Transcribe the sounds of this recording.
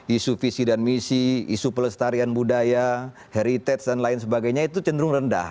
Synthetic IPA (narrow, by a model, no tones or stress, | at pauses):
isufisidanmisiisupələst̪aɾianbudaja | heɾit̪ɛt̪sdanlaɪnsəbaɡajɲait̪ut͡ʃəndəɾʊŋrənda̰h